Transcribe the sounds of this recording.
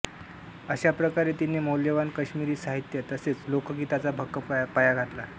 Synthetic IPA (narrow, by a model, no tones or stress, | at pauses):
əɕapɾəkaɾet̪inːemoljəʋankəɕmiɾiːsaɦit̪jət̪əset͡slokəɡit̪at͡sabʱəkːəpajaɡʱat̪la